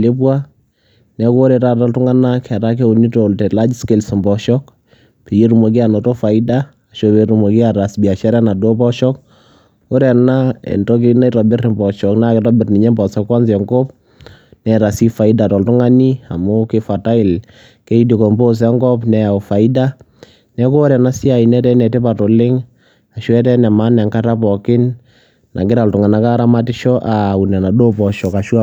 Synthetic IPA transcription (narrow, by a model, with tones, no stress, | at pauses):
le˦pwa˦ | nɛ˨ko˦ɾɛ˨ta˦tɔ˨ltu˦ŋa˦na˦kʰɛ˨ɾa˦k̬e˦u˨ni˦to˨ltɛ˨la˦d͡ʒi˦ske˨lsmbɔ˨ʃɔ˦k | pe˨je˦ɾu˨mo˨k̬i˦a˨no˨to˦fa˨idaː˦˨ | ʃo˨beɾu˨mo˨ki˦a˨ɾa˨sbi˨a˨ʃɛ˦ɾɛ˦na˨do˦bɔ˦ʃɔ˦k̚ | o˦ɾɛ˨na˦ɛ̰˨ntɔ˦k̬i˦ina˦itɔ˨bɪ˦ri˨mbɔ˨ʃɔ˨kna˦kɪ˨tɔbɪ˨rni˨ɲɛ˦mbɔ˨sɔ˦kwa˦nsɛ˨ŋɡo˦p | nɛ˨ɾa˨si˦fa˨i˦da˨tɔ˨ltʊ˦ŋa˦ni˦a̰˨mʊ˦kɪ˦fa˨ta˦ɪ˨l | ke˦i˦di˨kɔ˨mbo˦s̬ɛ˦ŋɡɔ˦pnɛ˨a˨u˨fa˨ɪ˦da˦ | nɛ˦koː˦ɾɛ˨na˦si˦a˨i˨nɛ˦tɛ˦nɛ˨tɪ˦pa˨tɔ˨lɪ˦ŋ | a˨ʃwɛ˦tɛ˦nɛ˨ma˦nɛ˨ŋka˦ta˦pɔ˨kɪ˦n | nʔa̰˨kɪ˦ɾa˨ltʊ˨ŋa˨na˦ka˦ɾa˦ma˦tɪ˦ʃɔ˦ʔa˨u˨nɛ˨na˨do˦pɔ˨ʃɔ˨ka˨ʃwa˦